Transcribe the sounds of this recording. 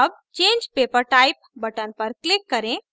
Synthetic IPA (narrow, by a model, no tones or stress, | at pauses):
əb̚ | t͡ʃẽːnd͡ʒpepəɾʈajp̚bəʈənpəɾklɪkːəɾẽ